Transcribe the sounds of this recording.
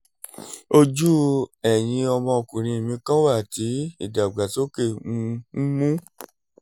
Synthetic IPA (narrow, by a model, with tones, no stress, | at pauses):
o˧d͡ʒu˦ɛ˨j̃ĩ˧ɔ˧mɔ̃˧o˧˨kũ˨ɾ̃ĩ˧˨mĩ˧kã˦wa˦˨ti˨˦ḭ˦˨da˨ɡ͡ba˨to˦ke˦˨ũ˧˦mũ˦